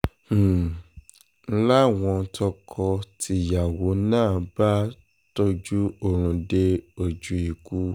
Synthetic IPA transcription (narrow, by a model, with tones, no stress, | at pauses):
la˦˨w̃ɔ̃˧n̩˧tʰɔ˧kʰɔ˧tʰi˧˨ja˨wo˨˦nãː˦˨ba˦ | to˧d͡ʒu˦o˦˨ɾ̃ũ˧de˧o˨d͡ʒu˨˦i˨ku˦